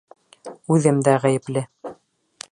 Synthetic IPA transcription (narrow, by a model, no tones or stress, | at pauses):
ʉðɘmd̪æʁæjɘ̆plɘ